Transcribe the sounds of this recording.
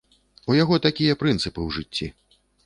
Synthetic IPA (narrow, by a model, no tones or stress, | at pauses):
ujaɣɔt̪akʲijɐpɾɨnt̪sɨpɨwʐɨt͡sʲːḭ